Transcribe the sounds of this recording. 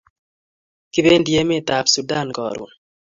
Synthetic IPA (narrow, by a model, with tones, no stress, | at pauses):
kɪ˦be˦ndje˦mɪ˦˨t̪a˨psu˨da˦˨nkɔ̰˨ɾṵ˨